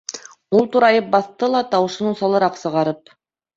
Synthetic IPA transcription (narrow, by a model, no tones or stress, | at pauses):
ulˠt̪uɾɑjɤp̚bɑθt̪ɤlˠɑt̪ɑwɤ̆ʃɤnusɑlˠɤ̆ɾɑqsɤ̆ʁɑɾɤp̚